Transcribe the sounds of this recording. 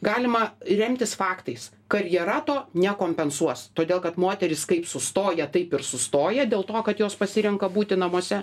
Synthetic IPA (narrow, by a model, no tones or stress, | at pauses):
ɡɑːlʲɪmɐɾʲɛmʲt̪ʲɪsfɑːkt̪ɐɪs | kɐɾʲjɛɾɑːt̪oːnʲɛkoːmʲpʲɛnsuɔst̪oːd̪ʲeːlˠkɐt̪moːt̪ʲɛɾʲɪskɐɪpsʊst̪oːjɛt̪ɐɪpɪɾsʊst̪oːjɛd̪ʲeːlˠt̪oːkɐt̪joːspɐsʲɪɾʲɪŋkɐbuːt̪ʲɪnɐmuɔsʲɛ